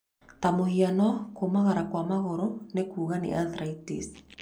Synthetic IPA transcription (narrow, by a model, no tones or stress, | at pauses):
tamohianɔkomaɣaɾakwamaɣoɾonekuːɣanḭʔaðɾaitḭs